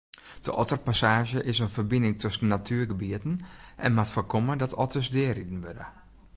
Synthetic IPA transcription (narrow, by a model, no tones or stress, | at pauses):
d̥əʔɔ̰tərpasaːʒjəʔɪsənfərbɪndɪŋtʰøsən̩ːatʰyːrɡəbiətn̩ʔɛ̰nmatfɔrkʰomədɔtʰɔtʰəsdɪəridn̩ʋødə̰